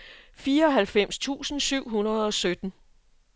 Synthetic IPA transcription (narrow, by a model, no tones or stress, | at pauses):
fiːɐɒ̽ɦælfem̰st͡sʰṵːsn̩syʊ̰ɦunɐð̩ˠɒ̽sød̥n̩